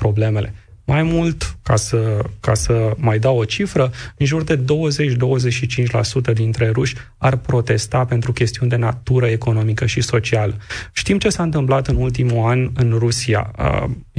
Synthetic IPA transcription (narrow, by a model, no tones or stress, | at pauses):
pɾo̞ble̞me̞lʔe̞majmult̪kasəkasəmajd̪awo̞t͡ʃifɾəɨnʒurd̪e̞d̪o̞wəze̞t͡ʃʲd̪o̞wəze̞ʃit͡ʃint͡ʃʲla̰sut̪əd̪int̪ɾe̞ɾuʃʲ | arpɾo̞t̪e̞st̪ape̞nt̪ɾukʲe̞st̪iund̪e̞nat̪uɾəe̞ko̞no̞mikəʃiso̞t͡ʃialəʃt̪imt͡ʃe̞saɨnt̪ɨmplat̪ɨnult̪̬imuanɨnrusia̰ə̰